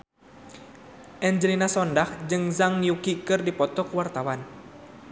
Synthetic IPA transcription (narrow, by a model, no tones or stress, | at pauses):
ʔɛɲd͡ʒəlinasɔndahd͡ʒɨŋzaŋjukikɨrdipɔt̪ɔkwart̪awan